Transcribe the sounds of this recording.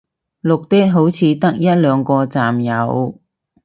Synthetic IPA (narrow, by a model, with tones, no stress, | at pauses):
lʊ˨k̚t̪ɛː˥t̚ɦo˨˥wt͡sʰiː˨˧t̪ɐ˥k̚jɐ˥t̚lœː˨˧ŋkɔː˧t͡saː˨mjɐ˨˧w